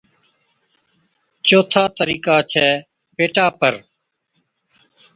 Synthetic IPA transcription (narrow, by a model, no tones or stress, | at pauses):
t͡ʃoːt̪ʰaːt̪əɾiːkaːt͡ʃʰɛː | peːʈaːpəɾ